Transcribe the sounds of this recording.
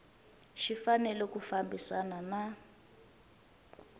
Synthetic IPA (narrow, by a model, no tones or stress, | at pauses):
ʃifanɛlɛkufambisanana